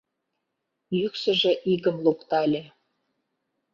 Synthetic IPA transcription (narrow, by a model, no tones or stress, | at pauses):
jyksə̆ʒĕʔiɣə̆mlukt̪ɑlʲĕ